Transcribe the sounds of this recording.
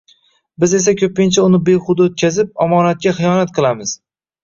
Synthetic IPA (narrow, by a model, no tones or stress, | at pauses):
bɪze̞s̬akʲʰɵp̚ɪnt͡ʃʰaʊnɪbeχʊd̪aot̪̚kʲazɪp̚ɒmɒnat̪̚kʲaχɨjɒnat̪̚qʰɨlˠamɪz̥